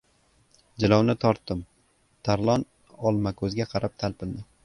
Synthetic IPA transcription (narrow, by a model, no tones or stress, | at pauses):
d͡ʒɪlɒwnɪt̪ʰɒɾt̪ːɪm | t̪ʰaɾlˠɒn | ɒlˠmakʰɵzɡʲaqʰɑɾap̚t̪ʰalpɪld̪ɪ